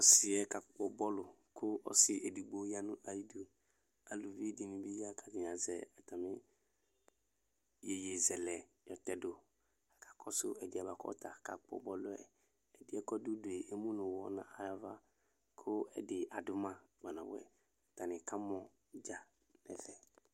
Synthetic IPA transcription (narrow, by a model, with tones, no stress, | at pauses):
ɔ˦sɪ˨ɛ˦ka˨k͡pɔ˨bɔ˦lʊ˨ | kʰʊ˦ɔ̰˦sɪ˨ʔe˨du˨ɡ͡bo˦ja˦nʊ̃˦ʔa˨ji˦du˦ | a˨lu˨vi˦di˨nĩ˨bi˦ja˦kʰa˨d͡ʒi˨ɲ˨a˨zɛ˨a˨ta˨mɪ˦ | je˨je˨zɛ˨lɛ˨ | jɔ˨tɛ˦dʊ˨ | a˨ka˨kɔ˦sʊ̰˦ɛ˨dɪ˨˦a˨βa˨kɔ̰˦ta˨ka˨k͡pɔ̰˨bɔ˦lʊ˦ɛ̰˨ | ɛ˨dɪ˦ɛ˦kɔ˦du˦dʊ˨e˨ʔe˦mũ˦nʊ̃˨wɔ˦nã̰˨a˨ɾa˦va˦ | kʰʊ˦ɛ̰˦dɪ˨ʔa˨dʊ˦mã˦˨ɡ͡ba˨nã˨bʊ̰˨˦ɛ̰˨ | a˨ta˨nɪ̃˨ka˦mɔ˨ | d͡ʒa˨ | nɛ̰˨fɛ˨